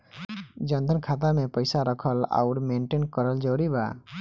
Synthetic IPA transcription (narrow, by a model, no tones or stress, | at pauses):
d͡ʒənd̪ʱənkʰat̪amepəjsaɾəkʰəla̰ʊɾmeɳʈenkəɾəld͡ʒɔːɾiba̰